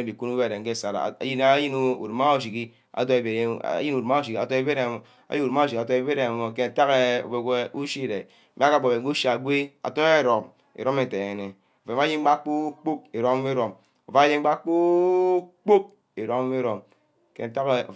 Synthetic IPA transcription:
di˨ku˦nu˦be˦˨ɾe˨ŋ̩˦ke˦˨sa˨ɾa̰˨a̰˨˦ji˦n˦a˦ji˦n˦ṵ˨dma˦o˦˨ʃi˨ki˦ | a̰˨to˦e˨bḛ˨˦˨ji˦n˨u˨dma˦o˦˨ʃ̬i˨ki˦˨a˨to˦e˦be˦ɾe˨ | a̰˦ji˦u˨dm˦a˦o˨ʃ̬i˨ka˨to˦e˦be˦ɾe˨mo˨ke˦n˨ta˦ke˦o̰˨be˨ku˦ʃi˦˨ɾe˨˦ | me˦ka˦˨ɡ͡bo˨be˨˦ɡu˦ʃa˨ɡʷe˦a̰˨to˦e˦˨ɾo˨m | ḛ˨ɾo˦me˨te˨e˨ne˨ | o˨fe˨ma˦ji˦ŋ˦ɡ͡ba˦k͡pu˦k͡pu˦k̚e˨ɾo˦m˦mi˦ɾo˨m | o˨fa˦a˦ji˦ŋ̩˦ɡ͡ba˦k͡pu˦ | k͡po˦k̚ | e˨ɾo˦m˦me˦ɾo˨m | ke˨n˨ta˦ke˦o̰˨

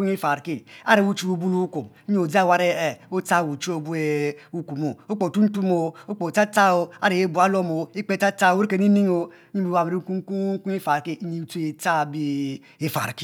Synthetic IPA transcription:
u˦ŋ˦i˦fa˨ɾki˦a̰˦ɾe˨u˦t͡ʃu˦u˨bu˦lu˦ku˨m˦i˦˨o˨di˦˨wa˦ɾe˦e˨o˦ta˦˨wu˨t͡ʃu˦o˦bu˦e˨u˦ku˨mo˨o˦k͡po˨tu˦n̩˦tu˦mo˨o˦k͡po˨ta˦ta˦o˨a̰˦ɾe˨e˦bu˨a˦lo˦mo˨i˦k͡pe˦ta˦ta˦o˨e˦ɾi˦ke˨ni˦ni˦ŋo˨˦ | ɲi˦bi˦a˨e˨ɾi˦ku˦ŋ˦ku˦ku˦i˦fa˨ɾki˦ɲi˦tu˦e˨ta˦˨bi˦ | e˦fa̰˨ɾki˦

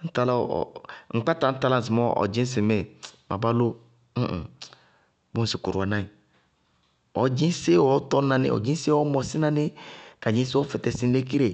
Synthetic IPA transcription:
n̩˦ta˦la̰˦˨ŋ͡m̩˨k͡pa˦ta˨n̩˦ta˦la˦˨s̬i˨mɔ˦ɔ̰˨d͡ʒi˦s̬i˨me˨mʔa̰˨ba˦lo˦ | m̩˦˨ | bo˦si˨ku˨ɾa˨nã˦i˨ | ɔ˨d͡ʒi˦se˦ɔ˨˦tɔ˦na˨nḛ˦˨ɔ̰˨d͡ʒĩ˦se˦ɔ˦mɔ˨si˦na˦ne˦ka˨d͡ʒĩ˦sɔ˦fɛ˨tɛ˨si˦n˦le˦ki˦ɾe˨

